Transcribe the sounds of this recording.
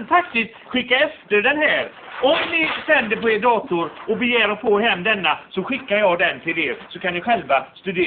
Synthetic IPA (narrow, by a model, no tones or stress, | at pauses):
nt̪ʰak̚t̪ɪst̪ɧɪkːaɛft̪əɖɛnɦæːɾ | ɔmnɪsɛnd̪əɾpɔeːɖɑːt̪ʊɾɔbɛjæːɾɔpʰoːɦɛmːd̪ɛnːasɔɧɪkːaɾjɑd̪ɛnt̪ʰɪleːɾsɔkʰanːɪɧɛlvast̪ɵd̪eː